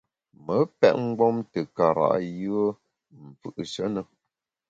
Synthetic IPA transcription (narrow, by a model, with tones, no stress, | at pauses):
mə˨˦pɛ˦ʔ̚ŋ̩˦ɡɔ˦mtə˨ka˨ɾa̰˨ʔjɯ˦ə˦ | m̩˨fɯ˨ʔʃə˦nə˨